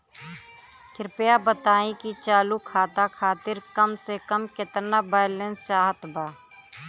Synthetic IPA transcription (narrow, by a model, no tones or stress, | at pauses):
kɪɾpɪjabət̪aːĩkit͡ʃaːlukʰaːt̪akʰaːt̪ɪɾkəmsekəmkɪt̪nabaːɪlẽnst͡ʃaːɦət̪baː